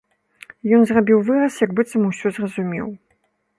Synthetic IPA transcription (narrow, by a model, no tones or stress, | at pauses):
jɔnzrabʲiwvɨrɐsjɐkbɨt̪sɐmɨwsʲɔzrɐzumʲɛ̰w